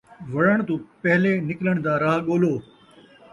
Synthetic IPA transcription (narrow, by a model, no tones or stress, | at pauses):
ʋɐɽəɳ̃t̪ũːpɐɦleːnɪkləɳ̃d̪aːɾaːɦɠoːloː